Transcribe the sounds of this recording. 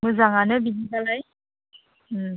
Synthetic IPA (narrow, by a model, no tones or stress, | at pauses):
mɯzaŋanɯbiniɡalaj | m̩